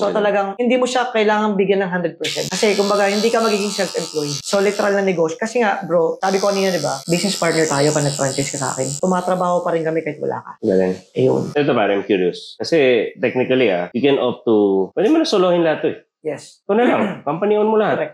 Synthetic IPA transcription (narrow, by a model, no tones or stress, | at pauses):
sot̪ɐlɐɡaŋhɪnd̪iːmoʃakɐʔɪlaːŋɐŋbɪɡjɐnːɐŋɦand̪ɾɛd̪̚pɛɹsɛ̰nt̪kɐsɛkʊmbɐɡahɪnd̪iːkɐmɐɡiːɡɪŋsɛlfɛmplojsolɪt̪ɛɾɐlnɐnɛɡoʃokɐsɛŋaʔbɾosaːbɪkoʔɐniːnɐd̪ɪbabiːsnɛspaɹt̪̚nɛɹt̪aːjopɐnɐɡ̚fɾant͡ʃɪskɐsa̰ːkɛnt̪ʊmaːt̪ɾɐbaːho̞pɐɾɪnkɐmɛkaːhɪt̪wɐ̰lʔa̰ːkɐ̰bad̪ɛnʔɐjo̰nʔɛt̪opaːɾɐamkjuːɾijoskɐsɛt̪ɛk̚nɪkɐlia̰jikɛnʔop̚t̪upwɛd̪ɛmonɐsoloːhɪnlɐat̪ːoɛ | jɛst̪onɐlaŋkɐmpɐnionmolɐhatɾɛk̪̚